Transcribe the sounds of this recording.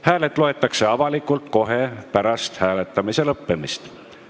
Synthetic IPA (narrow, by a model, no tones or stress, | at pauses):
hæːlet̪ːˑlo̞e̞t̪ːˑɑkse̞ɑvɑlikult̪ko̞ɦe̞pæɾɑst̪hæːlet̪ːˑɑmise̞lɤpːemist̪